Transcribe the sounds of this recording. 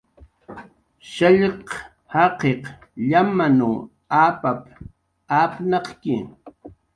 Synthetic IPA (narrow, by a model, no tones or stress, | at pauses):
ʃaʎq | hɑqeqʎamanu | aːpap | apnɑqkɪ